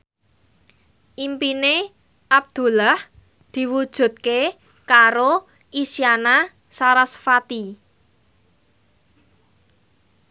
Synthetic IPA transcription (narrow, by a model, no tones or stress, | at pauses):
ʔimpine | ʔab̚d̪̥ṳlah | d̪̥i̤wud̥ʒ̥ṳt̪̚ke | kaɾo | ʔisiana | saɾasfat̪i